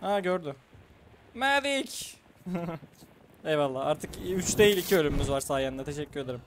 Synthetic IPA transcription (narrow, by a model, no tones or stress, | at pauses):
haɟøɾd̪y | mæd̪ic | ɛjvalˠːaːaɾt̪ʰɯkyt͡ʃt̪e̞jilʲicʰiølʲymymyzvaɾsaːjannat̪ʰe̞ʃɛcːyɾe̞d̪eɾim